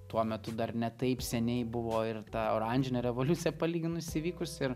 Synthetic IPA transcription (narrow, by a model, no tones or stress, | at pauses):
t̪uɔmʲɛt̪ʊd̪ɐrnʲɛt̪ɐɪpsʲɛnʲɛɪbʊʋoːɪrt̪ɑɐʊɾɐnʲd͡ʒʲɪnʲɛɾʲɛʋoːlʲʊt̪t͡s̪ʲɪjɛpɐlʲiːɡʲɪnʊɪsʲiʋʲiːkʊsɪɾ